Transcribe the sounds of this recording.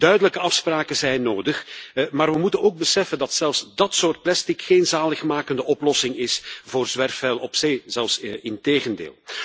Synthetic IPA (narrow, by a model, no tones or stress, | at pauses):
d̥œɥdələkəɑfspraːkəzɛjnːoːdəxmaːrʋəmutənoːɡ̚bəsɛfəndɑtsɛlˠfsdɑtsoːrt̚plɛstikxeːnzaːləxmaːkəndəʔɔplɔsɪŋɪsvoːrzʋɛrfɛlˠɔpseːzɛlˠfsɪnteːɣəndḛːlˠ